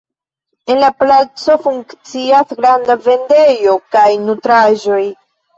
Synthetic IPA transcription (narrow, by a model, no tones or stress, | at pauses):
e̞nlaplat͡so̞fuŋkkt͡siasɡɾandave̞nde̞jo̞kajnutɾaʒo̞j